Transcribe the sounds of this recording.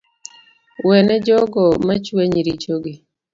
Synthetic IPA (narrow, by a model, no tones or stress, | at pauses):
wɛnɛd͡ʒɔɡɔmat͡ʃweɲɾit͡ʃoɡi